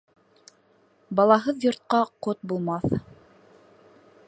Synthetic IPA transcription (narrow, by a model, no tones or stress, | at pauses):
bɑlˠɑɦɤðjŏɾt̪̚qɑqot̪̚bulˠmɑθ